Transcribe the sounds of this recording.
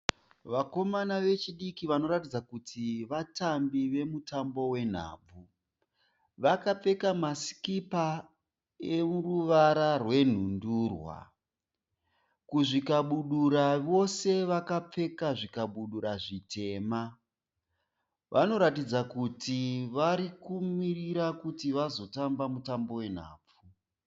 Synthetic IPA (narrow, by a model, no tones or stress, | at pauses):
ʋako̞manaʋe̞t͡ʃiɗikiʋano̞ɾatid͡zakutʰiʋatambiʋe̞mutambo̞we̞n̤a̰ːb͡vu | ʋakap͡fe̞kamaskipa | euruʋaɾarwe̞n̤unduːrwa̰ | kuʐikaɓuɗuɾaʋo̞se̞ʋakap͡fe̞kaʐikaɓuɗuɾaʐite̞ːma | ʋʔano̞ɾatid͡zakutiʋaɾikumiriɾakutiʋazo̞tambamutambo̞we̞n̤a̰ːb͡vu